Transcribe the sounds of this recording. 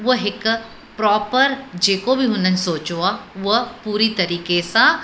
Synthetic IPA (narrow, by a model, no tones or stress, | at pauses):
ʋəɦɪk | pɾɔːpəɾd͡ʒeːkobʱiɦʊnənsoːt͡ʃoaʋəpuːɾit̪ɐɾiːkesa